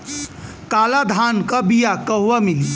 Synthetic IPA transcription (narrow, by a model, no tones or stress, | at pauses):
kalad̪ʱankəbijakəɦʋamili